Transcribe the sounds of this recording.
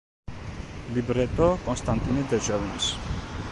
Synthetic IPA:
libɾɛt̪ʼɔkʼɔnst̪ʼant̪ʼinɛd̪ɛɾʒavɔnis

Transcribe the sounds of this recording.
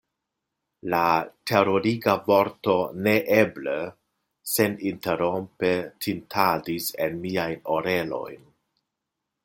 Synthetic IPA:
latʰe̞ɾoɾiɡavo̞ɾto̞neʔeble | se̞ninte̞ɾo̞mpetʰintʰadise̞nmiajno̞ɾe̞lo̞̰jn

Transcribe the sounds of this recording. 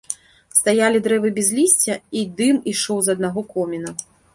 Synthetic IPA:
st̪ajalʲid̪ɾɛvɨbʲɛzʲlʲisʲt͡sʲɐid̪ɨmiʂɔwzɐd̪̚naɣɔkɔmʲinɐ

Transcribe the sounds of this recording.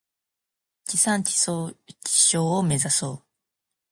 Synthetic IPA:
t͡ɕisãɲt͡ɕiot͡ɕi̥ɕoːome̞zasoː

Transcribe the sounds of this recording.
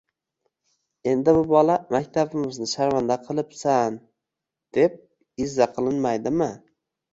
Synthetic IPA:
e̞nd̪ɪbʊbɒlamakʲt̪ʰabɪmɪznɪʃaɾvand̪aqʰɨlˠɪpsan | d̪̥e̞p̚ | ɪzːaqʰɨlˠɪnmajd̪ɪmɪ

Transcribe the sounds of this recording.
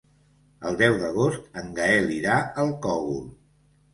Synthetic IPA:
əlˠd̪ɛwðəɣ̞ost̪əŋɡəɛliɾaəlˠkɔɣṵm

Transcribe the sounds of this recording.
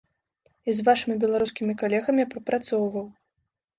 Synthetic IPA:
izvaʂɨmʲibʲɛlˠaɾuskʲimʲikalʲɛɣɐmʲipɾɐpɾat̪sɔwvɐw

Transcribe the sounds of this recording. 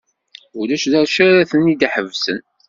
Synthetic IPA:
ulæʃðæɾʃæɾæθənːid̪iħəvsən

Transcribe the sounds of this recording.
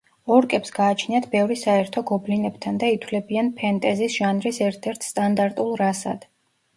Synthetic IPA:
ɔɾkʼɛpsɡaːt͡ʃʰniat̪ʰbɛvɾisaɛɾt̪ʰɔɡɔblinɛbt̪ʰand̪ait̪ʰwlɛbianpʰɛnt̪ʼɛzisʒ̥anɾisɛɾt̪ʰɛɾt̪ʰst̪ʼand̪aɾt̪ʼulˠɾasa̰d̪̥

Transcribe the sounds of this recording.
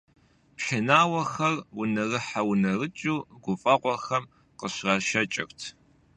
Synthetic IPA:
pħɪnaːwɐxɐrwʊnɐrɨħawʊnɐrɨt͡ʃʼuːɡʷʊfʼɐqʷɔxɐm | qəɕrɐʃɐt͡ʃʼɪ̰rtʰ

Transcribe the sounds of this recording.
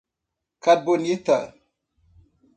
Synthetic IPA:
kad̚bonjita̰

